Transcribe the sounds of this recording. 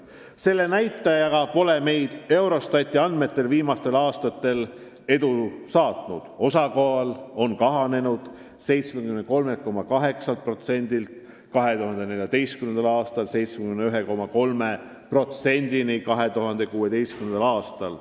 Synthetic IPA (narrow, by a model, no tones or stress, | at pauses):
se̞lːe̞næjt̪ˑːɑjɑɡɑpo̞le̞me̞jd̪̥e̞wɾo̞st̪ɑt̪ʲːˑiɑnd̪̥me̞t̪ːe̞lviːmɑst̪e̞lɑːst̪ɑt̪ːe̞l | e̞d̪usɑːt̪nud̪̥o̞sɑko̞ɑlo̞nkɑɦɑne̞nud̪̥ | se̞jt̪smekymed̪ko̞lme̞kːo̞mːɑkɑɦe̞ksɑlt̪̚pro̞t̪se̞nʲd̪̥ilt̪ | kɑɦe̞t̪uɦɑnd̪ene̞ljɑt̪e̞jst̪kyme̞nd̪ɑlɑːst̪ɑlse̞jt̪smekymneyɦeko̞mːɑko̞lme̞ | pro̞t̪se̞nʲd̪̥inikɑɦe̞t̪uɦɑnd̪̥e̞kuːe̞t̪e̞jst̪kymnend̪ɑlɑːst̪ɑl